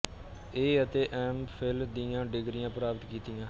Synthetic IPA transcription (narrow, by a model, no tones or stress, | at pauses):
eːət̪eːʔɛːmpʰɪld̪ijãːɖɪɡɾɪjãːpəɾaːpət̪kiːt̪ijãː